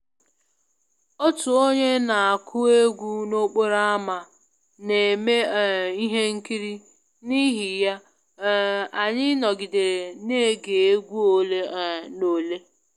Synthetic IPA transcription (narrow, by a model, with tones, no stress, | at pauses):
o˦tu˨o˦ɲe˦na˨a˨kʰʊ˦e˦ɡʷu˦no˦k͡po˦ɾa˦a˦ma˨ | ne˨me˦˨i˦ɦe˦ŋ̩˦ki˦ɾi˦ | ni˦ɦi˨ja˦ | a˨ɲɪ˦nɔ˨ɡi˨de˨ɾe˨ne˦˨ɡe˨e˦ɡʷu˦o˨le˦˨no˨le˦